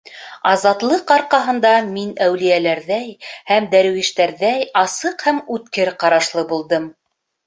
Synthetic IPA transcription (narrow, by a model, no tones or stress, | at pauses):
ɑzɑt̪lˠɤqɑɾqɑɦɤ̆nd̪ɑminæwlijælæɾðæjhæmd̪æɾwiʃt̪æɾðæjɑsɤqhæmʉt̪kɘɾqɑɾɑʃlˠɤbulˠd̪ɤm